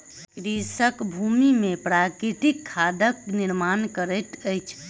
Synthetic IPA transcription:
kɾisəkbʱumimepɾakɾiʈ̪ikʰːad̪əkniɾmankəɾət̪əjt͡ʃʰ

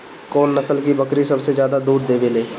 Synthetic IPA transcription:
koːnːɐsəlkibɐkɾisɐbsezjaːd̪ad̪uːɾd̪eːbeleː

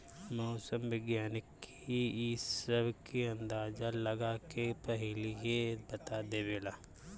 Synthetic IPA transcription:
mɔːsəmʋɪɡjaːnɪkː | isəbʱkeɐ̃nd̪aːd͡ʒalɐɡakepɐɦɪliebɐt̪ad̪eːbelaː

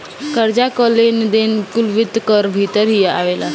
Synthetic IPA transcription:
kəɾd͡ʑakəlend̪enpulʋit̪kəɾbʱit̪əɾɦia̰ʋela

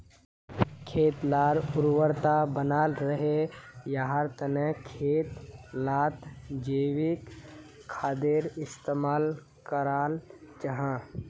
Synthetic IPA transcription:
kʰeːt̪laːɾʊɾwəɾt̪abənaːlɾəɦejaɦaɾt̪ənekʰeːt̪laːt̪d͡ʒeːwɪkʰː | aːd̪eɾɪst̪eːmaːl | kəɾaːlt͡ʃəɦãː

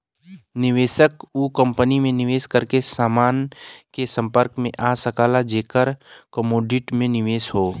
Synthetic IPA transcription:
nɪʋeːʃəkuːkə̃mpənimẽnɪʋeːskəɾkesaːmaːnkesə̃mpəɾkmḛ̃ʔaːsəkaːlad͡ʒeːkəɾkəmoːɖɪʈmẽnɪʋeːsɦoː

